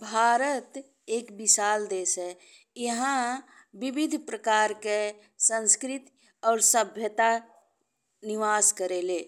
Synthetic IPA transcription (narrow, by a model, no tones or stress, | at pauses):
bʱaːɾət̪ | eːkbɪʃaːld̪eːsɦɛ | jəɦã | ʋɪbɪd̪ʱpɾəkaːɾke | sə̃nskɾɪt̪ | ɔːɾsəbʱjət̪a | nɪʋaːskəɾeːleː